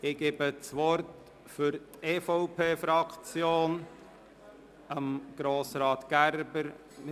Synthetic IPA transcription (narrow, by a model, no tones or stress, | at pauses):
ɪɡ̥eːbət͡sʋɔɾt | fʏɾteːfɔʊpʰeːfɾɑkt͡sjoːn | əmɡ̥ɾoːsɾɑːtɡ̥æɾbəɾ